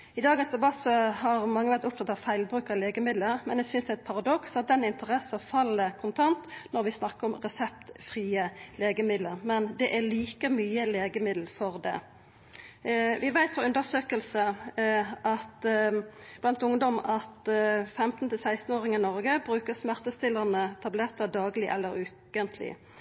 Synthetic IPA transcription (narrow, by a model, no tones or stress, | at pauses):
ɪd̪ɑːɡənsd̪ɛbɑsɔhɑʁmɑŋːəʋæʁt̪ʊpt̪ʰɑt̪ːɑʋfæɪlbʁʉːkɑleːɡəmɪd̪ləɾmɛnæsʏnsd̪ɛæɪt̪̚pʰɑʁɑd̪ɔksɑt̪̚d̪ɛnɪnt̪əʁɛsɑfɑlːəkʰʊnt̪ʰɑnt̪nɔɾʋɪsnɑkːəɾɔmʁɛsɛp̚t̪fʁiːəleːɡəmɪd̪ləʁmɛnd̪ɛʔæliːkəmyːəleːɡəmɪd̪l̩fɔʁd̪ɛ̰ | ʋɪʋæɪt̪fɔʉnd̪əsøːkəlsə | ʔɑt̪ | b̥lɑnt̪ʊŋd̪ɔmɑt̪fɛmt̪n̩t̪ɪlsæɪst̪n̩oːʁɪŋənɔʁɡəbʁʉːkəsmæʁt̪əst̪ɪlːəʁnət̪ʰɑblɛʁt̪əd̪ɑːɡlɪʔɛ̰lːəɾʉː | ənt̪ʰlɪ̰